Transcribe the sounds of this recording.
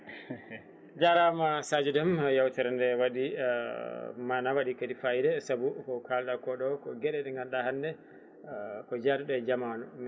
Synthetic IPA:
d͡ʒaɾamasad͡ʒudɛmjawtɛɾɛndɛwaɗi | manawaɗikadifajdɛsabukɔkalɗakɔɗɔkɔɡɛɗɛɗɛŋɡanɗahandɛ | kɔd͡ʒadɗɛd͡ʒamanɔm

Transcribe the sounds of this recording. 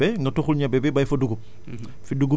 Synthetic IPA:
ɛŋɡɐtɔxulɲɐbɛbɛbɐjfɐduɡup̚ | fiduɡu

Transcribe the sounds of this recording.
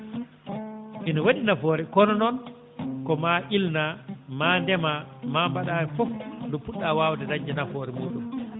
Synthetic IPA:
ʔinɔwaɗinafɔɾɛkɔnɔnɔn | kɔmaʔilnamaːndɛmamaːmbaɗaːɾɛfɔfndɔpuɗːawaːwtɛdaɲd͡ʒɛnafɔːɾɛmuːɗum

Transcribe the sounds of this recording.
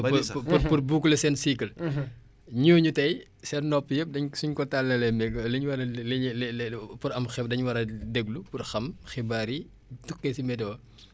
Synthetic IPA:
pppuɾpurbuːklɐsɛːnsikɐl | ɲoːɲutɐj | sɛnnɔpːjəp̚dɐɲsuɲkɔtalːɐlɛmɛɡlɐɲwɐɾɐ | puɾɐmxɛp̚dɐɲwɐɾɐdɛɡlupurxɐmxibaɾi | tukːesimɛdɔː

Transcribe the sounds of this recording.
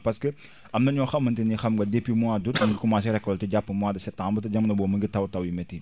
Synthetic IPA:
pɐskɛ | ɐmnɐɲɔxɐmːɐntinixɐmɡɐdepːimuadutɐnɡikumaːs̬iɾɛkːɔltiɟapːɐmuaːdɐsɛtːãɐmbɐtɐɟɐmnɐbɔːmɐŋɡitɐwtɐwimɛti

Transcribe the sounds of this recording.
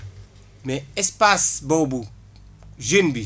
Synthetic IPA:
mɛɛspasbobu | ʒinbi

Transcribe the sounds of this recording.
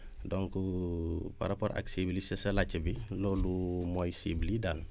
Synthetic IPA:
dɔŋku | pa̰ɾapoɾʔa̰ksiːblisɐsɐlacːɐbiloːlumɔjsḭːblidal

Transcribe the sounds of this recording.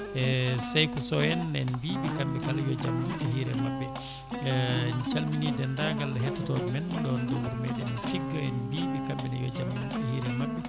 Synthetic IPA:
ɛsajkusɔjɛnːɛnbiːɓikambɛkaljɔd͡ʒamːinɛhiːɾɛmabːɛ | nt͡ʃalminidɛndaŋɡalːaɦɛtːɔtɔdimɛnɗɔndɔmuɾmɛɗɛnifiɡːaɛnbiːɓikambɛnɛjɔd͡ʒamːiɗɛhiːɾɛmabːɛ

